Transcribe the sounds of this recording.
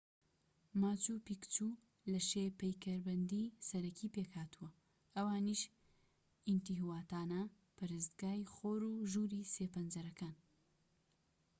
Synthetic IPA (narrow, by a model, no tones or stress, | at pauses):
maːt͡ʃupikt͡ʃu | lɐʃepɐjkɐɾbɐnd̪isɐɾɐkʰipeːkhaːt̪uwɐ | ʔɐwaːniʃ | int̪iɦwaːt̪aːnɐ | pʰɨɾɨzt̪ɡaːjχoːɾuʒuːɾiseːpɐnd͡ʒɐɾɐkaːn